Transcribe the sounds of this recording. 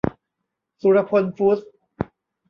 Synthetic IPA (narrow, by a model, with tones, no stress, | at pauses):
su˨ɾa˧pʰo˧nfu˦˥s